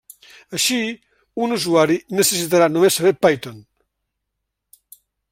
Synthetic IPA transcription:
əʃi | unuzuaɾinəsəs̬it̪̬aɾanumesːəβepajt̪on

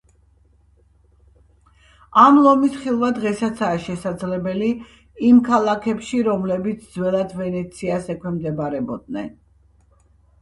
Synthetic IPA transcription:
amlˠɔmisχilˠvad̪ʁɛsat̪sʰaːʃɛsad̪zlɛbɛli | imkʰalˠakʰɛpʃiɾɔmlɛbit̪sʰd̪zwɛlˠad̪vɛnɛt̪sʰiasɛkʰwɛmd̪ɛbaɾɛbɔd̪̚nɛ̰n

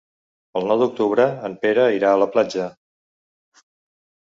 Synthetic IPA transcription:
əlˠnɔwðuk̚t̪uβɾəːmpeɾəiɾaələplad͡ʒə

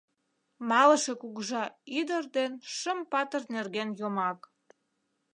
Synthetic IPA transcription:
mɑlə̆ʃe̽kuɣəʒɑyd̪ərd̪enʃəmpɑt̪ərnerɣenjomɑk

